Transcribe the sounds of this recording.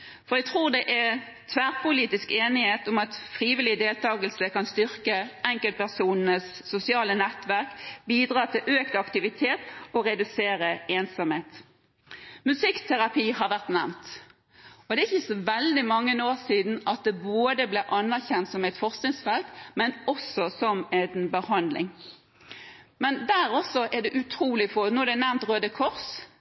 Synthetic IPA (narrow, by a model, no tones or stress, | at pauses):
fɔʁjæɡt̪ʰʁuːʁd̪ɛʔæ | t̪ʰʋæːʁpʰʊliːt̪ɪskeːnɪheːt̪ʊmɑt̪fʁiːʋɪlɪd̪eːlt̪ʰɑːɡəlsəkɑnst̪ʏʁkəɛŋkəlt̪pæʁsuːnn̩əsːʊsɪɑːlənɛt̪ʋæʁkbiːd̪ʁɑːt̪ʰɪlʔøːkt̪ɑkt̪ɪʋɪt̪ʰeːt̪ɔɾɛd̪ʉseːɾəeːnsɑmheːt̪ | mʉsɪkt̪ʰɛʁɑpʰiːhɑʋæʁt̪nɛmt̪ | ɔd̪ɛːæɪçəsɔʋɛld̪ɪmɑŋːənoːʁsiːd̪n̩ɑt̪̚d̪ɛboːd̪əblɛʔɑnːæʁçɛnt̪sɔmɛɪt̪fɔʁsknɪŋsfɛlt̪mɛnɔsɔsɔmɛnbəhɑnd̪lɪ̰ŋ | mɛnd̪æːɾɔsːɔʔɛʁd̪ɛʔʉt̪ʰɾuːlɪfoːnuːɛɾd̪ɛnæmt̪ʁøːd̪əkʰɔʁs